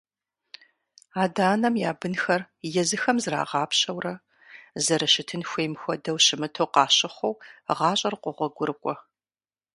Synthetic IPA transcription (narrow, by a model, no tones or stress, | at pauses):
aːdaːnɐmjaːbɨnxɐrjɛzɨxɐmzra̰ːʁɑːpɕɐwrɐ | zɐɾɐɕɪtʰɨnxʷeːmxʷɔdɐwɕɪmɨtʰowqɑːɕɪχʷowʁɑːɕʼɐrqʷɔʁʷɔɡʷʊɾɨkʷʼɔ